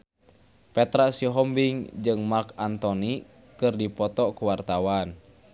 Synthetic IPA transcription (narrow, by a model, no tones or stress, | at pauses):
pɛt̪ɾaʔsiɦɔmbiŋd͡ʒɨŋmarkant̪ɔni | kɨrdipɔt̪ɔkuwart̪awan